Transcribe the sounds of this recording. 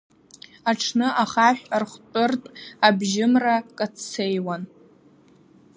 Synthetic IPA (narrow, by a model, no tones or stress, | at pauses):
aʈ͡ʂʰnɨʔaχaʃᶣarχʷt͡pʼʊrtʼabʒɪmrakʼat͡sʰt͡sʰejwan